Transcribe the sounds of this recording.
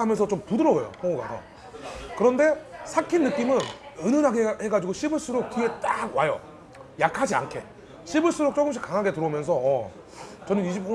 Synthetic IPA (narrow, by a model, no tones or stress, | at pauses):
amjʌnsʰʌt͡ɕomtudɯɾʌɡojo̰hoŋoɡa̰dʰo̰ | kɯɾʌnde̞sʰakʰinːɯk͈imɯnɯnɯnaɡeheɡad͡ʑiɡoɕʰibɯɭs͈ɯɾok̚k͈ie̞t͈aɡwajʌ̰ | jakʰad͡ʑia̰nkʰe̞ | ɕʰibɯɭs͈ɯɾok̚t͡ɕ͈oɡɯmɕ̬ʰi̥k͈aŋɦaɡe̞tɯɾomjʌns̬ʰʌː | t͡ɕʌnɯniɕʰip͈̚o